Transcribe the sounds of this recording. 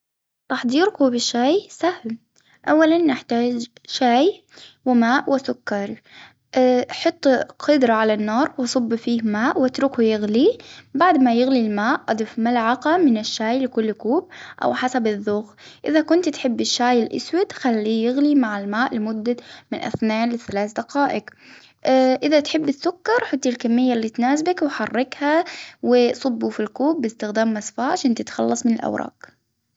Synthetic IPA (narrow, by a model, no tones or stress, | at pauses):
t̪ɑħd̪ˤiːɾkuːbɪʃːaːjsahl | ʔawːalanːɪħt̪aːd͡ʒʃaːj | wɪmaːʔwɪsʊkːɑɾˤ | ħʊt̪ˤːqʰʊd̪ɾˤɑʕalanːɑːɾˤwɑsˤʊbːfiːhmaːʔwɪt̪ɾʊkujɪɣlibaʕd̪majɪɣlilmaːʔʔɑd̪ˤɪfmalʕɑqamɪnɪʃːaːjlɪkʊlːkuːb̚ʔa̰wħasabɪðːuːxʔɪðakʊnt̪t̪ħɪbːɪʃːaːjɪlʔɪ̰swɪd̪xalːiːjɪɣlimaʕalmaːʔlɪmʊd̪ːamɪnʔa̰θnaːnlɪθalaːθd̪aqaːʔɪk | ʔɪðat̪ħɪbːɪθːʊkːɑɾˤħʊt̪ːilkamːɪjːalːiːt̪naːs̬bakwɪħɑrˤːɪkhawɪsˤʊbːufilkuːbːɪst̪ɪxd̪aːmːasfaːʕaʃaːnt̪ɪt̪xɑ̰lːɑsˤmɪnɪlʔa̰wɾˤɑ̰ːq